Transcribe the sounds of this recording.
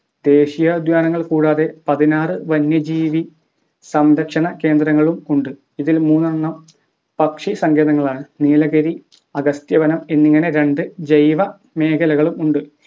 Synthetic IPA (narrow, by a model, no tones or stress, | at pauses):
d̪̥e̞ːɕijɐd̪jaːnɐŋːɐɭkuːɽaːðe̞pɐðinaːrɨʋɐnjɐd͡ʑiːʋi | sɐmɾɐkʂɐɳɐke̞ːnd̪rɐŋːɐɭumuɳɖɨ | iðilmuːnːnːɐm | pɐkʂisɐŋɡe̞ːðɐŋːɐɭaːɳɨniːlɐɣɐɾi | ɐɡɐst̪jɐbɐnɐmenːiŋːɐne̞ɾe̞ɳɖɨd͡ʑɐjʋɐ | me̞ːkʰɐlɐɣɐɭumuɳɖɨ